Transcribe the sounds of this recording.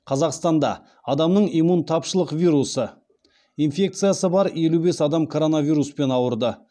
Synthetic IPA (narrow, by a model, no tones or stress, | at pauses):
qʰɑzɑqst̪ɑnd̪ɑ̰ | ɑd̪ɑmnəɴimunt̪ʰɑpʃəlˠəqvʲijɾusə | infʲe̞k̚t̪sɨijasəbɑɾje̞lube̞sɑd̪ɑmkʰo̞ɾo̞navʲijɾuspe̞nɑwəɾd̪ə